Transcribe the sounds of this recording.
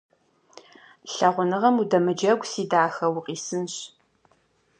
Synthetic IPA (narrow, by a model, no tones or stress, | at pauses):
ɬɐʁʷʊnɨʁɐmudɐmɨd͡ʒɐɡʷsiːdaːxɐwʊqʼiːsɨnɕ